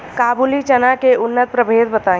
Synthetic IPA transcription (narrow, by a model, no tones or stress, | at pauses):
kaːbulit͡ʃənakeʊnːət̪̚pɾəbʱeːd̪bət̪ãː